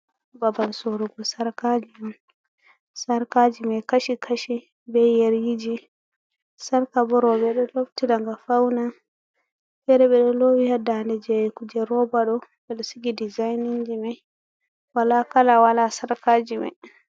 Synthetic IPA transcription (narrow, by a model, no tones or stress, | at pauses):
babalsoɾuɡɔsaɾkad͡ʒiman | saɾkad͡ʒimakaʃikʰaʃi | bɛjɛɾjid͡ʒi | saɾkabɔɾɔbɛɗɔloftiɗaŋɡafawna | fɛɾɛɓɛɗɔlowihadandɛd͡ʒɛjɛkud͡ʒɛɾɔbaɗɔ | ɓɛɗɔsiɡidizajnind͡ʒimaj | walakalawalasaɾkad͡ʒima̰j